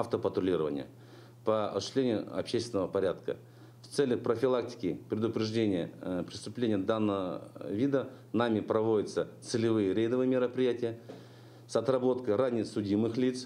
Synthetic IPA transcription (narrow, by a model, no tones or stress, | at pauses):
ɐft̪əpət̪ɾʊlʲiɾəvə̰nʲɪjə̰ | pəɐ̰sʊɕɪsʲlʲenʲɪjʊɐ̰pɕesʲt̪ʲɪnəvəpɐɾʲat̪kə̰ | ft̪sɛlʲːəxpɾəfʲɪlˠak̚tʲɪ̥kʲɪpɾʲɪd̪ʊpɾʲɪʐdʲenʲɪjəpɾʲɪst̪ʊplʲenʲɪjəd̪anːəvə̰vʲid̪ə | namʲɪpɾɐvo̞dʲɪt̪sət̪sɨlʲɪvɨjəɾʲejd̪əvɨjəmʲɪɾəpɾʲɪjætʲɪjə | sɐt̪rɐbo̞t̪kəjranʲɪjsʊdʲimɨxlʲit̪s